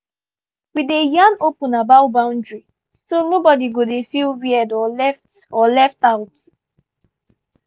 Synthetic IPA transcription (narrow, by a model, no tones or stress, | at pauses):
widejanopʊ̃nabaʊbãʊ̃ndɹi | sonobɔdiɡodefilwiɛdɔɛft | ɔlɛftaʊt